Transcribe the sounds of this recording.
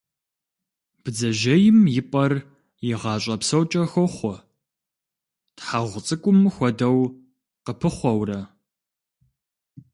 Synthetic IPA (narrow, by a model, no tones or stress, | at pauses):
b̥ɨd͡zɐʒɐjɪmjɪpʼɐr | jɪʁɑːɕʼɐpsɐwt͡ʃʼɐxʷɔχʷɔ | tħaʁʷʊt͡sʼɨkʷʼʊmxʷɔdɐw | qəpʰɨχʷɔwrɐ